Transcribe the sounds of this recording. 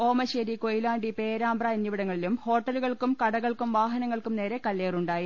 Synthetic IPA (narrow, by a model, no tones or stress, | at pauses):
o̞ːmɐɕeɾiko̞jlaːɳɖipeːɾaːmbrɐɐnːiʋiɽɐŋːɐɭilumho̞ːʈːɐluɣɐɭkumkɐɽɐɣɐɭkumʋaːɦɐnɐŋːɐɭkumne̞ːɾe̞kɐlːeːruɳɖaːji